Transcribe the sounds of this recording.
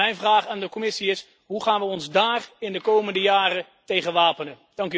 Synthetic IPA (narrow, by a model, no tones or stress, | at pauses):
ɛjnvraːχaːndəkɔmɪsiɪs | ɦuχaːnʋəɔnzdaːrɪndəkowməndəjaːrə | tejχənʋaːpənə | d̥ɑŋk